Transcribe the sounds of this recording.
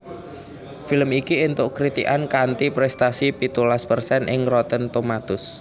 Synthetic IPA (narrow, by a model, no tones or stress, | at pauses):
filəmikient̪ʊʔkɾit̪iʔankant̪ipɾɛst̪asipit̪ulaspərsɛnʔɪ̰ŋɾɔt̪ənt̪omat̪ʊs